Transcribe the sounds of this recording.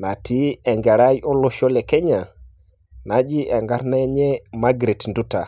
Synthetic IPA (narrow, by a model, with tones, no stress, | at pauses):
na˨ti˦e˨ŋɡe˨ɾa˦jo˦lo˦ʃo˦le˨ke˦ɲa˨ | na˨d͡ʒi˦ʔe˨ŋɡa˦ɾna˦ɲe˦ma˦ɡɾe˨tndu˦ta˨